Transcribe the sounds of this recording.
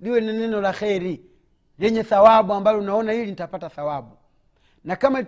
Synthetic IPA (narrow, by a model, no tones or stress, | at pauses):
liwɛnɛnɛnɔlaxɛɾi | lɛɲɛθawabuambalɔunaɔnailinitapataθawabu | nakama